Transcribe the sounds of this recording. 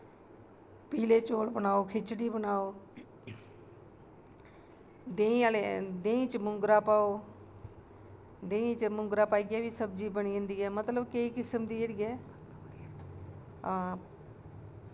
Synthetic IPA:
piːleːt͡ʃoːɽbənaːoːkʰɪt͡ʃɽiːbənaːoː | d̪eːĩːaled̪ẽːĩːt͡ʃmʊŋɡɾaːpaːoː | d̪ẽːĩːt͡ʃmʊŋɡɾaːpaːiɡɛːʋiːsəb̚d͡ʒiːbəɳĩːnd̪iːɛːmət̪ləbkeiːkɪsəmd̪iːeɽiːɛː

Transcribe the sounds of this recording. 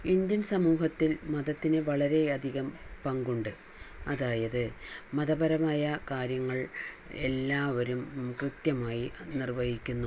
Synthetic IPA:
ind̪jɐnsɐmuːɦɐt̪ːilmɐðɐt̪ːinɨʋɐɭɐɾe̞ɐd̪ʱiɣɐmpɐŋɡuɳɖɨ | ɐðaːjɐðɨmɐðɐbɐɾɐmaːjɐkaːɾjɐŋːɐɭ | e̞lːaːʋɐɾumkrɨt̪jɐmaːjinirʋɐjikʲːunːu

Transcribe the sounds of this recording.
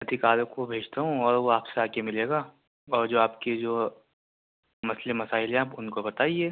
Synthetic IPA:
ɐd̪ʱɪkaːɾõkobʱeːd͡ʒt̪aɦũɔːɾʋoaːpseaːkemɪleːɡaː | ɔːɾd͡ʒoːaːpked͡ʒoː | mɐslemɐsaːɪlãːbʊnkobɐt̪aːieː

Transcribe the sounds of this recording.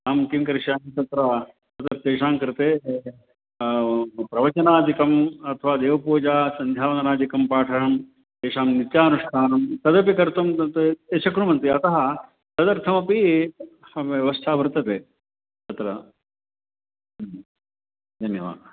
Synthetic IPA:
aːmk̪imkɐɾiʂjaːnt̪ɐt̪ɾɐ | t̪ɐt̪ɐɾt̪eːʂaːŋkɾɪt̪eː | pɾɐʋɐt͡ʃɐnaːd̪ikɐmɐt̪ʰɐʋaːd̪eːʋɐpuːd͡ʒaːsɐnd̪ʱjaːʋɐnɐnaːd͡ʒ̪ikɐmpaːʈʰɐɾɐm | t̪eːʂaːmnit̪jaːɐnuʂkʰaːnɐmt̪ɐd̪ɐp̬ikɐɾt̪ɐmɐt̪et͡ʃʰɐkɾumɐnt̪iɐt̪ɐɦɐ | t̪ɐd̪ɐɾt̪ʰɐmɐpi | eʋɐst̪ʰaːbʱɐɾut̪ɐt̪eː | t̪ɐt̪ɾɐ | d̪ʱɐnjɐʋa̰ː

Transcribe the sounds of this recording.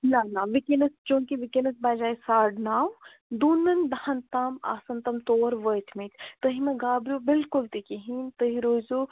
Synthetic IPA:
nanaʋikenɐst͡ʃõːkiʋikenɐsbaːd͡ʒaːisaːɖnaːw | d̪uːnɐnd̪ɐhɐnt̪aːma̰ːsɐnt̪ɐmt̪oːɾʋəjt̪ʰmit̪ʰt̪əɦimɐ̃ɡaːbɾʲjubɪlkʊlt̪ikiɦint̪əɦiɾoːzu

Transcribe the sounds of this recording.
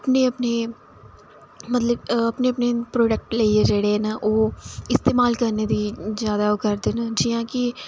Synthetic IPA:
əpneːəpneː | mət̪ləbəpneːəpnepɾoːɖɛk̚ʈleːiəɾd͡ʒeːɽeɦɛːnaʔoːɪst̪eːmaːlkəɾneːd̪iːzjaːd̪aːokəɾd̪eːnad͡ʒɪjãːkɪ

